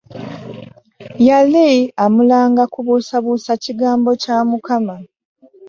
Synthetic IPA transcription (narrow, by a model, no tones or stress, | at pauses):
jaliamulaːŋɡakuβusaβusaciɡaːmbo̞camukama